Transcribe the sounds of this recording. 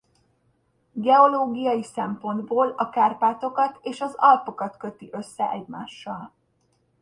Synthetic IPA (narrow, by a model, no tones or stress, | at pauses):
ɡɛo̞loːɡijɒjisɛmpo̞nd̪boːlɒkaːrpaːt̪o̞kɒt̪eːʃɒzɒlpo̞kɒt̪kø̞t̪iʔø̞sːɛʔɛɟmaːʃːɒl